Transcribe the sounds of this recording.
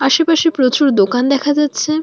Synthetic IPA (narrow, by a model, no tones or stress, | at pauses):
aʃepaʃipɾot͡ɕuɾd̪okand̪ɛkʰad͡ʑatːɕʰe